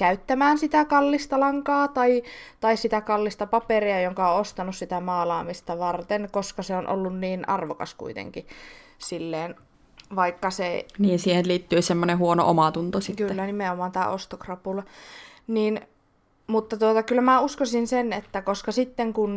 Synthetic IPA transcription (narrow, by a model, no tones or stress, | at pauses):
kæyt̪ːæmæːnsit̪ækɑlːist̪ɑlɑŋkɑːt̪ɑit̪ɑissit̪ækɑlːist̪ɑpɑperiɑjoŋkɑõost̪ɑnussit̪æmɑːlɑːmist̪ɑʋɑrt̪enkoskɑseonʔo̰lːunniːnʔɑ̰rʋokɑ̰skṵit̪ḛŋki | silːeːn | ʋɑikːɑseniːnsiːhenliːt̪ːyːsemːonehuono̰ʔomɑt̪unt̪ositkyːlːænimeomɑːnt̪æːʔost̪okrɑpulɑniːn | mut̪ːɑt̪uot̪ɑkylːæmæuskosinsenet̪ːækoskɑsit̪ːeŋkun